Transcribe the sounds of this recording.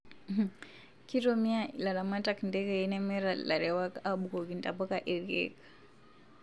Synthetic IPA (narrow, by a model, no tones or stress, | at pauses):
kiɾɔmiailaɾamatakindɛɡɛinɛmɛɾalaɾɛwakaaɓukɔɡintapakaʔɛɾɛ̰kḁ